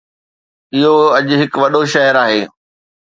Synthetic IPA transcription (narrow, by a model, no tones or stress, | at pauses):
ɪɦoɐʄɦɪkʋɐɗoʃɐɦəɾaːɦeː